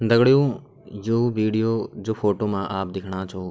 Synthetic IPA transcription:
d̪ɐɡɽijũː | joːʋiːɖijoːd͡ʑoːfoːʈoːmãʔaːp̚d̪ɪkʰɽ̃ãːt͡ʃʰoː

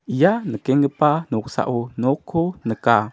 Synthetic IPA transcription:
janəkeŋəpanuksa̰ʔunokʰːunəka

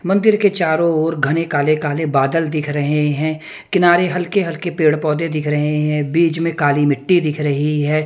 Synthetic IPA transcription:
mɐ̃nd̪ɪɾket͡ʃaːɾõoːɾɡʱɐnekaːlekaːlebaːd̪əld̪ɪkʰɾɐɦeɦɛ̃ː | kɪnaːɾeɦɐlkeɦɐlkepeːɽpɔːd̪ed̪ɪkʰɾɐɦeɦɛ̃biːd͡ʒmẽkaːlimɪʈːid̪ɪkʰɾɐɦiɦɛː

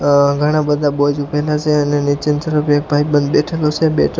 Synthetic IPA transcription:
ɡʱəɽ̃ãbəd̪ʱabod͡ʒupɛlat͡ʃʰeənenit͡ʃɪnt̪əɾəpʰiek̚bʱaibənd̪beʈʰelot͡ʃʰebḛʈʰ

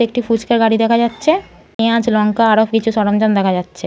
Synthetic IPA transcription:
ek̚ʈifut͡ʃkaɾɡaɽid̪ɛkʰad͡ʑatːɕʰe | ẽãd͡ʑlɔŋkaaɾopʰkit͡ɕʰusɔɽomd͡ʑɔnd̪ɛkʰad͡ʑatːɕʰe

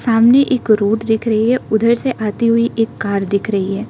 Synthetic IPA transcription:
saːmneʔeːkɾoːt̪d̪ɪkʰɾɐɦiɦɛʊd̪ʱəɾseʔaːt̪iɦʊiʔeːkːaːɾd̪ɪkʰɾɐɦiɦɛː

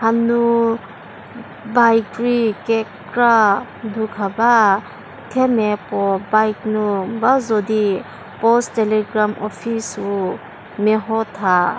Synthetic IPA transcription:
hanu | bajkɾikek | ɾa | dukʰaba | kʰemepɔbajknubazɔdi | pɔsteleɡɾamʔɔpʰisu | meɦɔtʰa

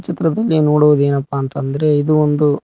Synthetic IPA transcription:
t͡ʃit̪ɾɐd̪ɐlːinoːɽuʋud̪e̞ːnɐpːaːnt̪ɐnd̪ɐɾe̞id̪uond̪u

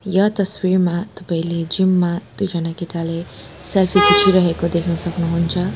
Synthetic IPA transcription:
jʌt̪ʌswirmat̪ʌpaĩled͡zimːad̪̥ud͡zʌnakiʈaleselpʰikut͡ʃʰiɾʌɦekod̪ekʰnʌsʌknuɦunt͡sʰʌ

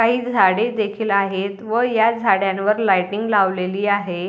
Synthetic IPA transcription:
kaɦiːd͡zʱaɽed̪ekʰiːlaɦet̪ʋəjad͡zʱaɽjãnʋəɾlajʈiŋɡlaʋleliːaɦe

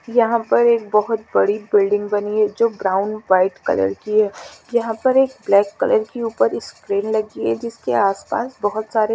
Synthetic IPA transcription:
jɐɦãpɐɾeːk̚bɐɦʊt̪bɐɽibɪlɖɪ̃ŋɡbɐniɦɛd͡ʒoːbɾaːʊnʋaːɪʈkɐ̰lə̰ɾkiɦɛːjɐɦãpɐɾeːk̚blɛːkːɐləɾkeuːpəɾɪspɾeːnlɐɡiɦɛd͡ʒɪskeaːspa̰ːsbɐɦʊt̪saːɾe

